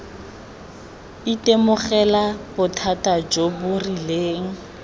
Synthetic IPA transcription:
itʼemʊχɛlabʊtʰatad͡ʒobʊrileːŋ̩

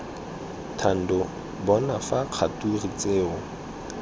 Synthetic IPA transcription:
tʰan̩dɔ | bɔnafaq͡χʰaturit͡seːʊ

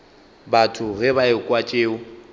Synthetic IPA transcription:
batʰʊɣɛbaɪkʼwat͡ʃʼeːʊ

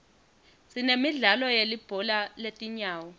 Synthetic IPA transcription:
sinemiɮalɔjelib̥ʱɔlaletʼiɲaːwɔ

